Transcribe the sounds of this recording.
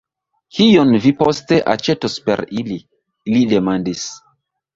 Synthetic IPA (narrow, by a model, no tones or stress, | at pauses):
kʰijonviposte̞ʔa̰t͡ʃetospḛɾili | lide̞mandis